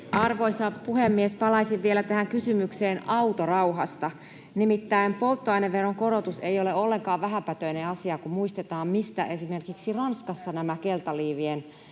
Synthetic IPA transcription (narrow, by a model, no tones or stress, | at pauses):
ɑrʋo̞isɑpuhemːiespɑlɑisiʋʋielæt̪æɦæŋkysymykseːnʔɑut̪orɑuɦɑst̪ɑ | nimit̪ːæimpo̞lt̪ːoɑineʋːeroŋkoɾot̪usejoleolːeŋkɑːʋʋæɦæmpæt̪øineɑsiɑkumuist̪et̪ɑːmmist̪æ̰ʔe̞sime̞rkiksirɑnskɑsːɑnæmækelt̪ɑliːʋien